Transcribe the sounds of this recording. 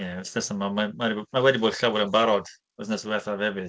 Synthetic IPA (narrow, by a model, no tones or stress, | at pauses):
jɛɪstɛsəmamamaɾimawɛdiboːd̥ɬawɾənbaɾɔd̥ | ɔsnɛswɛrθavɛvɨð